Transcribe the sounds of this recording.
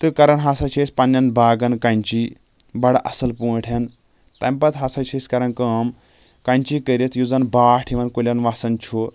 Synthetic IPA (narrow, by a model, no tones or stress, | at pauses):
t̪ɨkɐɾɐnɦasɐt͡ʃʰesʲpɐnːɐnbaːɡɐnkɐnʲt͡ʃiː | bɐɽɐʔɐsɐlpuːʈʰɐn | t̪ɐ̰mpɐt̪ɦasɐt͡ʃʰesʲkɐɾɐnkɐm | kɐnt͡ʃiːkəɾit̪ʰjud͡zɐnbaːʈʰiʋɐnkolʲɐnʋasɐnt͡ʃʰoː